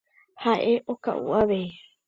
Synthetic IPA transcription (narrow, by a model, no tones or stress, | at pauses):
haʔeʔoka̰ʔṵʔaʋe